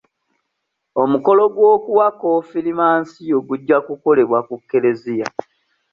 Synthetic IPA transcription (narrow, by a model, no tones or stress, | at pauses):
o̞muko̞lo̞ɡwo̞ːkuwakofilimaːnsio̞ɡuɟːakuko̞le̞βwakukːe̞le̞zija